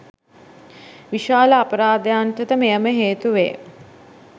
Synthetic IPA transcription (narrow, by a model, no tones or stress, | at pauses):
ʋiʃaːləapəɾaːd̪əjanʈ̪ət̪əmejəməɦeːt̪uʋḛː